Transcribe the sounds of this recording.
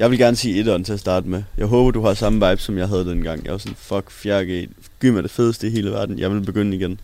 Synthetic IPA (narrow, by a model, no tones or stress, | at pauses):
jɑ̈ɪʋe̝lɡ̥æɐnəsḭːe̝dɒd̥nt͡sʰe̝æɐsd̥ɑ̈ːd̥əmejɑ̈ɪɦɔːb̥ɐd̥uɦɑ̈sɑ̈məʋɑ̈ɪb̥sɒ̽mjɑ̈ɪɦæð̞ˠəd̥enɡ̥ɑ̈ŋ̰jɑ̈ɪʋɑ̈sɔ̽nfɒɡ̥fjæɐɡ̥e | ɡ̥y̰mɑd̥e̝feðˠəsd̥əiɦe̝ːləʋæɐd̥n̩jʔɑ̈ɪʋe̝lb̥e̝ɡ̥øn̰əiɡ̥en